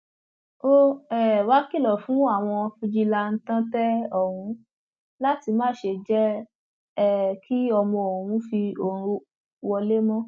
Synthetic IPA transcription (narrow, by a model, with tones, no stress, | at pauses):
o˦ɛ˨wa˨˦ki˦˨lɔ˨fũ˨˦a˦˨w̃ɔ̃˧fũ˧d͡ʒi˧la˧n̩˦tã˦tɛ˦ɔ˨wũ˨˦ | la˦ti˧mã˦˨ʃe˧˨d͡ʒɛ˦ | ɛ˦˨kʰi˦ɔ˧mɔ̃˧o˨ɾũ˨˦fi˧o˨ɾ̃ũ˧ | wɔ˧le˦mɔ̃˦